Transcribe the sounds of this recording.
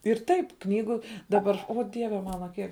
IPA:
ɪr ˈtɐɪp ˈknʲiːɡʊ dɐˈbɐr oː ˈdʲiɛʋʲɛ ˈmɑːnɐ ˈkʲiɛk

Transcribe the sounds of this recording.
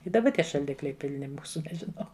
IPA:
ɪ dɐˈbɐ ˈtʲiɛ ʃɐlʲˈdʲɪklʲɛɪ pʲɪlʲˈnʲɪ ˈmuːsʊ nʲɛʒʲɪˈnɐʊ

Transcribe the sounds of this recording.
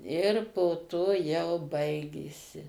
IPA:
ɪr poː ˈtoː jɛʊ ˈbɐɪɡʲeːsʲɪ

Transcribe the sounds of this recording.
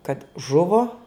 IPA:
kɐt ˈʒʊʋoː

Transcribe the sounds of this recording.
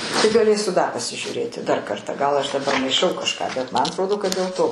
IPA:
tɐɪ ɡɐˈlʲeːsʲʊ dɐ pɐsʲɪʒʲuːˈrʲeːtʲɪ dɐr kɐrˈtɑː ɡɐlˠ ɐʃ dɐˈbɐr mɐɪˈʃɐʊ kɐʃˈkɑː bʲɛt ˈmɐn ɐtˈroːdoː kɐt dʲeːlˠ ˈtoː

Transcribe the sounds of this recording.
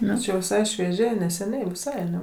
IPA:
ˈnʊ t͡ʃʲɛ jɛʊ ʋʲɪˈsɐɪ ʃʲʋʲiɛˈʒʲɛɪ nʲɛsʲɛˈnʲɛɪ ʋʲɪˈsɐɪ ɐˈnʲɛ

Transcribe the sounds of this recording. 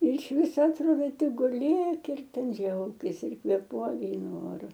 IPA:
ɪr ɪʃ ˈʋʲɪsoː ɐtˈroːdoː ˈtʲɪk ɡʊˈlʲeːk ɪr tʲɛn ˈd͡ʒʲɛʊkʲɪs ɪr kʋʲeːˈpuɔk ˈɡrʲiːnʊ ˈoːrʊ

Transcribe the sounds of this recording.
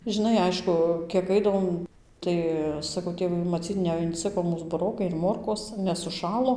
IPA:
ʒʲɪˈnɐɪ ˈɐɪʃkʊ kʲiɛk ˈɐɪdɐʋoːm ˈtɐɪ sɐˈkɐʊ ˈtʲeːʋɐɪ mɐˈt͡sʲiːt nʲɛɪnʲˈt͡sʲɪkoː ˈmuːs bʊˈroːkɐɪ ɪr ˈmoːrkoːs nʲɛs sʊˈʃɑːlˠoː

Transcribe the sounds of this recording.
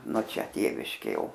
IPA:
noː ˈt͡ʃʲɛ ˈtʲeːʋʲɪʃʲkʲeː ˈjɛʊ

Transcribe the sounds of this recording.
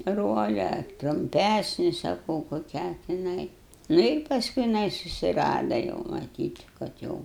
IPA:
ˈroːlʲɛ ɐr trʊmʲˈpʲæsʲnʲɪ sɐˈkɐʊ koːˈkʲæː tʲɪˈnɐɪ ˈnʊ ɪr pɐsˈkʊɪ jɪˈnɐɪ sʊsʲɪˈrɑːdɐ jɛʊ mɐˈtʲiːt kɐt ˈjɛʊ

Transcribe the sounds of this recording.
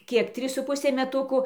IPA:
ˈkʲiɛk ˈtʲrʲiːs sʊ ˈpʊsʲeː mʲɛˈtʊkʊ

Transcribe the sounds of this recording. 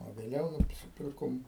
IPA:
oː ʋʲeːˈlʲɛʊ nʊsʲɪˈpʲɪrkoːm

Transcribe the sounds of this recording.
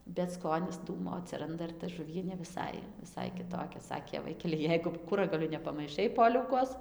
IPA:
bʲɛt ˈskoːnʲɪs ˈduːmoː ɐtʲsʲɪˈrɐndɐ ɪr tɐ ʒʊˈʋʲiɛnʲeː ʋʲɪˈsɐɪ ʋʲɪˈsɐɪ kʲɪˈtoːkʲɛ ˈsɑːkʲeː ˈʋɐɪkʲɛlʲɪ ˈjɛɪɡʊ ˈkʊrɐɡɐlʲʊ nʲɛpɐmɐɪˈʃɐɪ ˈpoːlʲɛʊkoːs

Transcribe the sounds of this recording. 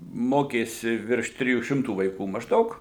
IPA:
ˈmoːkʲeːsʲɪ ʋʲɪrʃ ˈtʲrʲɪjuː ˈʃʲɪmtuː ʋɐɪˈkuː mɐʒˈdɐʊk

